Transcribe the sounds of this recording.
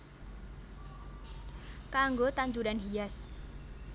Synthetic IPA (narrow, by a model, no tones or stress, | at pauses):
kaŋɡot̪aɲd͡ʒudanɦias